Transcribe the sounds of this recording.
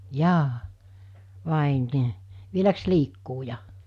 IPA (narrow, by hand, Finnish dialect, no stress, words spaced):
jɑː ʋɑˑe niː ʋielæks liːkːuː jɑ